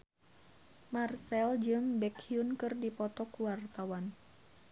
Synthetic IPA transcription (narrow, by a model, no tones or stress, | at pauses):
marsɛld͡ʒɨŋbɛkʰiunkɨrdipɔt̪ɔkuwart̪awan